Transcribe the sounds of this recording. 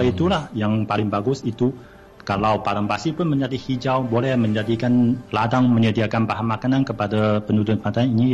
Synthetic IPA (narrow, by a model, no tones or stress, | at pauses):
ait̪ulahjaŋpalɪŋbaɡʊsit̪u | kalawpaɾampasipʊnməɲd͡ʒadihid͡ʒawbolɛhməɲd͡ʒadikanladaŋməɲədiakanpaɦamakanankəpadapənudʊt̪̚mat̪aini